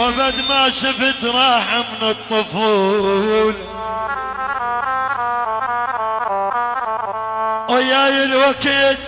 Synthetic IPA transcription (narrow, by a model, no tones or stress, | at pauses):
wabad̪maʃɪft̪ɾˤɑːħamnɨt̪ˤːʊfuːl | ʔajajɪlwakeːt̪